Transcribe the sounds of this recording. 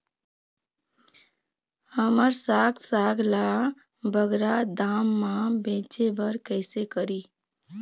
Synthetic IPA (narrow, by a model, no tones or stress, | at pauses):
həməɾsaɡsaɡla | bʱəɡɾad̪amːãbẽt͡ʃebəɾkəɪsekəɾi